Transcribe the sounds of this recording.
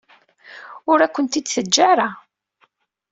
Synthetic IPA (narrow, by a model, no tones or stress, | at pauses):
ʊɾækʷːənt̪id̪θəd͡ʒːaɾa